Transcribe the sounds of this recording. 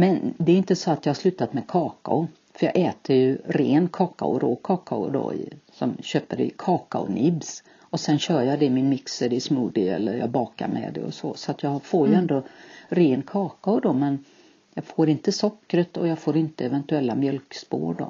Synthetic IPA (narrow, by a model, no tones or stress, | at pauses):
mɛnd̪ɛːɾɪnt̪əsɔat̪jɑhaʂlʉ̟ːt̪at̪mɛkʰɑːka̰ʊ | fœjɑ̰ːɛːt̪ʰəɾjɵɾeːnkʰɑːka̰ʊ̰ɾoːkʰɑːkaʊd̪ɔ̰ɪ̰sɔmɕøːpəɾɛ̰kʰɑːkaʊ̰nʔɪbs | ɔsɛnɕœːɾjɑd̪ɛmɪnmɪksəd̪ɛʂmuːd̪ɪɛ̰lːəɾjɑ̰ɡbɑːka̰ɾmʔɛ̰d̪ɛ̰ɔ̰sɔ̰sɔat̪jɑfoːɾjɵɛnd̪oɾeːnkʰɑːkaʊd̪ɔmɛn | jɑɡfoːɾɪnt̪əsɔkːɾət̪ɔjɑɡfoːɾɪnt̪əɛvɛnt̪ɵɛlːamjœlkspo̰ːɾɖɔ̰